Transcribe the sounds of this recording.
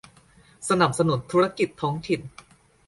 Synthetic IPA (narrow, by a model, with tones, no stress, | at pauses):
sa˧na˨˩p̚sa˧nu˩˦nt̪ʰu˦ɾa˧ki˨˩t̪ʰːɔː˦˥ŋt̪ʰi˨˩n